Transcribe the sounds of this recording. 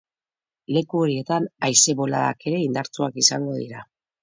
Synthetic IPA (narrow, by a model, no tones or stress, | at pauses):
le̞kuo̞ɾie̞t̪anajse̞βo̞laða̰ke̞ɾe̞ind̪aɾt͡suakisaŋɡo̞ðḭɾa